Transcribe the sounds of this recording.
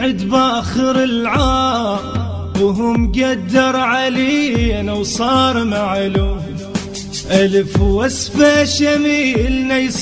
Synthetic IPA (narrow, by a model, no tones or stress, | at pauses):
ɪd̪baxɪɾɪlʕaː | wɦʊmɡad̪ːɑɾˤʕaleːnawsˤɑːɾˤmaʕlu | ʔalfwasfaʃamiːlnajsˤ